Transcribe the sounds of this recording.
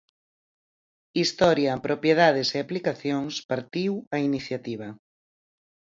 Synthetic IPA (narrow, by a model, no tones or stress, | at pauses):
ist̪ɔɾjɐpɾʔopjeðað̞eseaplikaθjoŋspaɾt̪iwɐiniθjat̪iβ̞ɐ